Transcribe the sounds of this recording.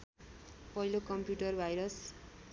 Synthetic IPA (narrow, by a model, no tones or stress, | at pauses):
pʌɦilokʌmpjuʈʌrbʱajɾʌs